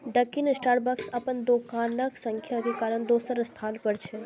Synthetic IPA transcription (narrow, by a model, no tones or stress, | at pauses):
ɖəkinsʈaːɾbaksɐpənd̪oːkaːnəksəŋkʰjakekaːɾəɳd̪oːsəɾst̪ʰaːnpəɽt͡ʃʰe